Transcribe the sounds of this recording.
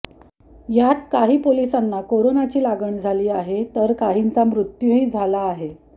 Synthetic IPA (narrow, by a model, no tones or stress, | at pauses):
jat̪̚kaɦiːpolisanːakoɾonat͡ɕiːlaɡəɳd͡zʱaliːaɦet̪əɾkaɦint͡samɾut̪juɦiːd͡zʱalaːɦe